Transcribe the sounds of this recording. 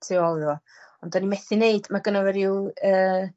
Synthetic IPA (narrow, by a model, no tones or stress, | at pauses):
tʰɪɔlˠðɔ | ɔndɔnimɛθɪneɨdmaɡənəvɛɾiwəː